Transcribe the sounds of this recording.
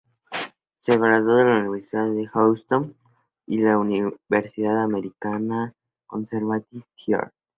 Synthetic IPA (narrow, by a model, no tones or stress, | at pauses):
seɣɾazoðelauniβeɾsiðaððexawst̪oŋ | ilauniβeɾsiðaðame̞ɾikana | ko̰nseɾβat̪it̪ʰja̰ɾ